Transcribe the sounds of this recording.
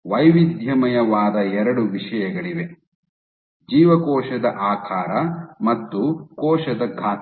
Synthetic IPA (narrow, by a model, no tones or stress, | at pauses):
ʋɐjʋid̪jɐmɐjɐʋaːd̪ɐɛɾɐɽuʋiʂɐjɐɡɐɭiʋe | d͡ʒiːʋɐkɔːʃɐd̪ɐʔaːkʰaːɾɐmɐt̪ːukɔːʃɐd̪ɐɡʱaː